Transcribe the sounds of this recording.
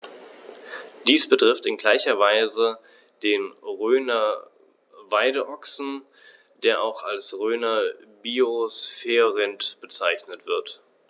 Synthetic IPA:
d̥iːsb̥ətʁ̥ɪftɪnɡlaɪçɐvaɪzə | d̥eːnʁøːnɐ | vaɪdəʔɔksn̩ | d̥eːɐʔaʊxalsʁøːnɐbioosfɛːʁɪntb̥ət͡saɪçnətv̥ɪɐt

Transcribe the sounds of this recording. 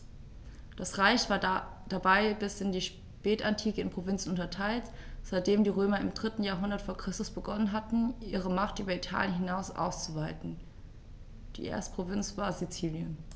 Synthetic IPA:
d̥asʁaɪçv̥aːɐd̥abaɪbɪsɪndiːʃ | pɛːtantʰiːkəɪnpʁ̥ovɪnt͡sn̩ʊntɐtʰaɪltz̥aɪt̚d̥eːmdiːʁøːmɐɪmdʁɪtn̩jaːɐɦʊndɐtfoːɐkʁ̥ɪstʊsb̥əɡɔnənɦatn̩ʔiːʁ̞əmaχtʔyːbɐitʰa̰ːljənɦɪnaʊsʔa̰ʊst͡suvaɪtn̩ | d̥ḭːʔḛɐstə̥pʁ̥ovɪnt͡sv̥aːɐzit͡siːljən

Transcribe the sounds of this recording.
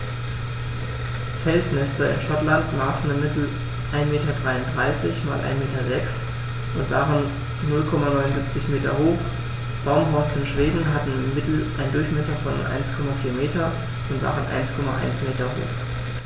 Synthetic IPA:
fɛlsmɛstɐɪ̰nʃɔtlantmaːsn̩ɪmːɪtl̩ | ʔaɪnmeːtɐdʁaɪʊntd̥ʁaɪsɪçma̰ːlʔa̰ɪnmeːtɐzɛks | ʔʊntv̥a̰ːʁənː | ʊlkʰɔmanɔʏnʊnzip̚t͡sɪçmeːtɐhoːχ | b̥aʊmɦɔɐsɪnʃv̥eːdn̩ɦatn̩ɪmːɪtl̩ʔaɪndʊɐçmɛsɐfɔn̰ʔa̰ɪnskʰɔmafiːɐmeːtɐ | ʔʊntv̥a̰ːʁənʔa̰ɪnskʰɔmaʔa̰ɪnsmeːtɐho̰ːχ

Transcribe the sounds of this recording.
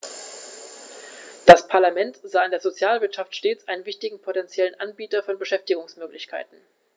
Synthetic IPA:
d̥aspʰaɐlamɛntz̥aːɪndeːɐzot͡sjaːlvɪɐtʃaftʃteːt͡sʔaɪnənvɪçtɪɡŋ̩pʰotɛnt͡sjɛlənʔanbiːtɐfɔnbəʃɛftɪɡʊŋsmøːklɪçkʰa̰ɪtn̩

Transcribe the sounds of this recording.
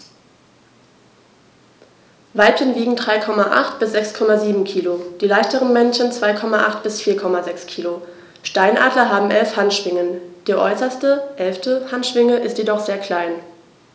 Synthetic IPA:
vaɪpənviːɡŋ̩dʁaɪkʰɔmaʔa̰χtb̥ɪsz̥ɛkskʰɔmaziːbm̩kʰiːlod̥iːlaɪçtəʁənmɛnçənt͡sv̥aɪkʰɔmaʔaχtb̥ɪsfiːɐkʰɔmazɛkskʰiːlo | ʃtaɪnʔaːdlɐɦaːbm̩ʔɛlfhantʃv̥ɪŋənd̥eːɐʔɔ̰ʏsɐstəʔɛlftəhantʃv̥ɪŋəʔɪstjedɔχz̥eːɐkl̥aɪn

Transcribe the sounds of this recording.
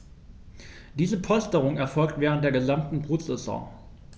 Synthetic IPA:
d̥iːzəpʰɔstəʁ̞ʊŋɛɐfɔlk̚tv̥ɛːʁənt̚d̥eːɐɡəzamtn̩bʁuːtz̥ɛzɔ̰̃ː

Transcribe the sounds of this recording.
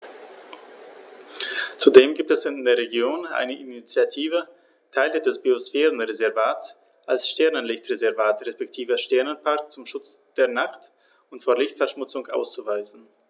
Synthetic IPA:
t͡sudeːmɡiːp̚tɛsɪndeːɐʁeɡjoːnʔa̰ɪnəʔinit͡sjatʰiːvə | tʰaɪlədɛsb̥iosfeːʁənʁezɛɐvaːtt͡s | ʔalsʃtɛɐnənlɪçtʁezɛɐvaːtʁespɛk̚tʰiːvəʃtɛɐnənpʰaɐk̚t͡sʊmʃʊt͡sd̥eːɐnaχt | ʊntfoːɐlɪçtfɛɐʃmʊt͡sʊŋʔa̰ʊst͡suvaɪzn̩

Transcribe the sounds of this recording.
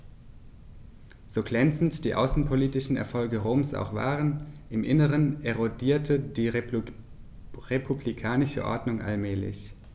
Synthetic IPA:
z̥oːɡlɛnt͡sn̩td̥iːʔa̰ʊsn̩pʰoliːtɪʃn̩ɛ̰ɐfɔlɡəʁoːmsʔa̰ʊxv̥a̰ːʁənʔɪmʔɪnəʁənɛʁodiːɐtʰəd̥iː | ʁepʰublikʰaːnɪʃə̰ʔɔ̰ɐdnʊŋʔa̰lmɛːlɪ̰ç

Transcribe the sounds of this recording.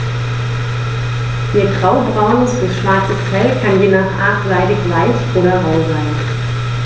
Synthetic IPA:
ʔiːɐɡʁaʊbʁaʊnəsb̥ʊsʃv̥aɐt͡səsfɛlkʰanjeːnaχʔaːtzaɪdɪçvaɪçʔoːɾɐʁɔʊlvaɪn

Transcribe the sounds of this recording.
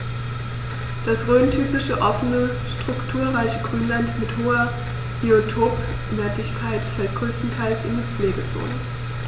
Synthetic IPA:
d̥asʁøːntʰyːpɪʃəʔɔfənə | ʃtʁ̥ʊktʰuːɐʁaɪçəɡʁyːnlantmɪthoːɐ | b̥eotʰoːp | nɛɐtɪçkʰaɪtfɛlt̚ɡ̥ʁøːstn̩tʰaɪlsɪndiːp͡fleːɡət͡so̰ːnə

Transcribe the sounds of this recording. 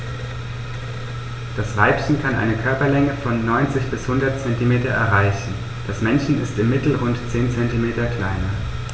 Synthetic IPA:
d̥asv̥aɪpçn̩kʰanʔa̰ɪnəkʰœɐpɐlɛŋəfɔnːɔʏnt͡sɪçb̥ɪshʊndɐt̚t͡sɛntimeːtɐʔɛ̰ɐʁaɪçn̩ | d̥asmɛnçn̩ɪstɪmːɪtl̩ʁʊntt͡seːnt͡sɛntimeːtɐkl̥aɪnɐ

